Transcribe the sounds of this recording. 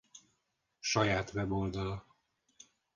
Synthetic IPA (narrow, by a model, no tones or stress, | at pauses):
ʃɒjaːt̪vɛbold̪ɒlɒ